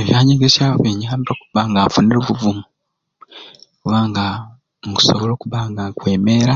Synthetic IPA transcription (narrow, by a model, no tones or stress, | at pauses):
eβjaːɲiɡesjaββeɲaːmiɾokuβaŋɡafuniɾoβuvumu | kuβaːŋɡa | muku̥soβolo̞ːkuβaːŋɡakwe̞ːmeːɾa